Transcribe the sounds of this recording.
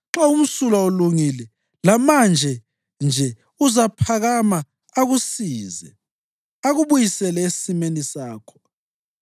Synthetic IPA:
ǁaum̩sulaoluŋilɛ | lamand͡ʒʱɛ | nd͡ʒʱɛ | uzapʰaɣama | aɣusiːzɛ̰ | aɣuβujisɛlɛessimenisaːkʰɔ̥

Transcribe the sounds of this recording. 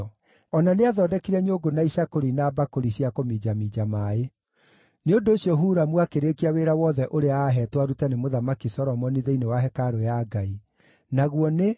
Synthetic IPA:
ɔnaneaðɔdɛkiɾɛɲoɡonaiɕakoɾinabakoɾiɕiakomid͡ʒamid͡ʑamae | neondoːɕiɔɦuːɾamwakeɾekiaweɾawɔðɛʔoɾeaːɦɛtwaɾutɛnemoðamakisɔɾɔmɔniðeinewaɦɛkaɾojaːɡai | naɣwɔne

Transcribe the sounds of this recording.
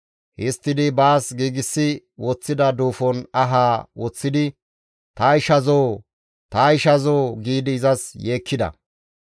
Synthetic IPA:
hɪst̪ːɪd̪ɪbaːsɡiːɡɪsːɪwɔt͡sːɪd̪ɐd̪uːfɔnɐɦaːwɔt͡sːɪd̪ɪ | t̪ɐɪʃɐzoː | t̪ɐɪʃɐzoːɡiːd̪ɪːzɐsjeːkʰːɪd̪ɐ̰

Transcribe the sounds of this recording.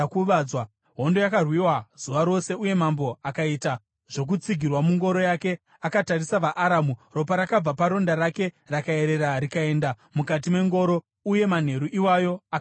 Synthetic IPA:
kuʋawa | ɦo̞ndo̞jakarwiwaz̥uʋaɾo̞se̞uje̞mambo̞akaita | ʐ̥o̞k̬ut͡siɡʱirwamuŋɡo̞ɾo̞jake̞ | akatarisaʋaʔaɾamuro̞paɾakab͡vapaɾo̞ndaɾake̞ | rakae̞ɾe̞ɾaɾikae̞nda | mukat̬ime̞ŋɡo̞ɾo̞ | uje̞man̤e̞ɾuʔiwajo̞a

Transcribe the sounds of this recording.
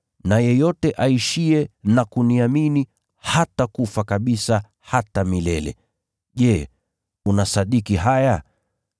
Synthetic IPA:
najɛjɔtɛʔaiʃiɛnakuniamini | hatakufakaɓisa | hatamilɛlɛ̰ | ʄɛː | unasaɗikiɦaja

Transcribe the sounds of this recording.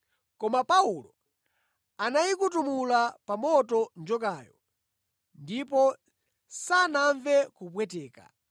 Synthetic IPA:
kɔmapaulɔ | anajikutumulapamɔtɔnd͡ʒɔkaːjɔ | ndipɔ | sanaɱvɛkupwɛt̬ɛːka̰

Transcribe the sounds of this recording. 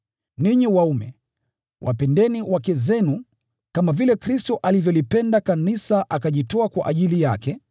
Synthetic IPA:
niɲiwaumɛ | wʔa̰pɛndɛniwakɛzɛnu | kamavilɛkɾistɔʔalivjɔlipɛndakanisaʔakaʄitɔakwa̰ʔaʄilijakɛ

